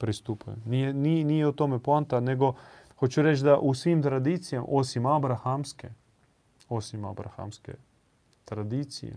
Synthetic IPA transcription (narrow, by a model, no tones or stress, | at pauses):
pɾist̪upajniɛninijɛut̪oːmɛpant̪anɛɡɔxot͡ʃuɾɛt͡ʃd̪aʔusʋimt̪ɾad̪iːt̪sijamʔoːsimabɾaxamskɛ | oːsima̰bɾa̰xa̰mskɛ̰ | t̪ɾad̪iːt̪sḭjɛ̰